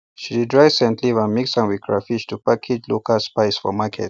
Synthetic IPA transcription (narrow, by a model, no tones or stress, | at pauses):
ʃididɹajsɛ̃ntʰlivãnmiksãnwikʰɹafit͡ʃtupakʰit͡ʃlokʰəlspaɪsfɔ̰makʰɛ̰t̚